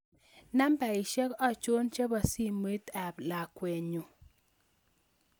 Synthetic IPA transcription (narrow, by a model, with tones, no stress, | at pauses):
na˦mba˨i˨ʃɛ˦kɔ˦˨t͡ʃo˦nt͡ʃa˦ba˨si˦me˨˦t̪a˨bla˨kwe˨ɲo˨